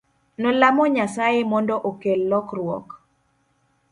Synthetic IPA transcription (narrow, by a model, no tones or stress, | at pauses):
nɔlamɔɲasajɪmɔndɔʔokelːɔkrwɔ̰k